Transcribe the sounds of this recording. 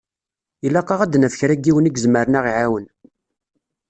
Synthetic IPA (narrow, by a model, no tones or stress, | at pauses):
ilːæqːɑʁæd̪næfçɾæɡiwəniɡzməɾnæʁiʕawən